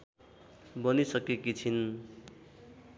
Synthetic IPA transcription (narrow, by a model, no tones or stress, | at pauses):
bʌnisʌkekit͡sʰin